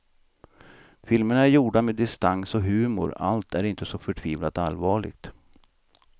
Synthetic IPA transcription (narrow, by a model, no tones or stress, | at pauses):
fɪlməɳaæɾjuːɖameːd̪ɪst̪aŋsɔɦʉ̟ːmʊ̰ɾa̰lt̪ʰæɾɪnt̪əsɔfœʈʰviːvlat̪alːvɑːɭɪ̰ɡ̥̚t̪